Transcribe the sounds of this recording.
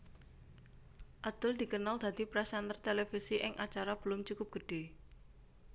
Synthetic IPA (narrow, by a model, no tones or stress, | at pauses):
ʔad̪̥ʊld̪̥i̤kənald̪̥a̤d̪̥i̤pɾɛsɛnt̪ərt̪elefisiʔɪŋʔat͡ʃaɾab̥əlʊmt͡ʃukʊp̚ɡ̥ə̤ɖ̥e̤